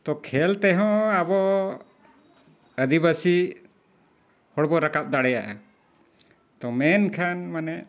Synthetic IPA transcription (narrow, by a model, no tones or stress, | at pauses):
t̪ɔkʰɛlt̪ɛɦɔ̃abɔ | əd̪ibasi | hɔɽbɔɾakap̚d̪aɽɛjaʔa | t̪ɔmɛnkʰanmanɛ